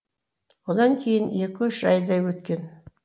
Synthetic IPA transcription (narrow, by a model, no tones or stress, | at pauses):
wod̪ɑŋkʲʰe̞jɪne̞kʲɪʏʃʒɑjd̪ɑjwɵt̪kʲe̞n